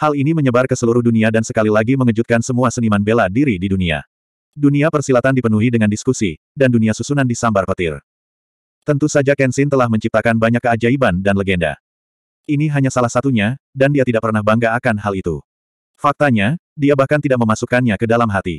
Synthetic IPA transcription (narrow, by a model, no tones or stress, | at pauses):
haliniməɲəbarkəsəluɾuhduniadansəkalilaɡiməŋəd͡ʒut̪̚kansəmuasənimanbeladiɾididunia̰ | duniapərsilat̪andipənuɦidəŋandiskusi | danduniasusunandisambarpət̪ɪr | t̪ənt̪usad͡ʒakɛnsɪnt̪əlahməɲt͡ʃip̚t̪akanbaɲakːəad͡ʒaibandanləɡɛnda̰ | iniɦaɲasalahsat̪uɲadandiat̪idaʔ̚pərnahbaŋɡaːkanɦalit̪ṵ | fak̚t̪aɲa | diabahkant̪idaʔ̚məmasukanɲakədalamɦat̪ḭ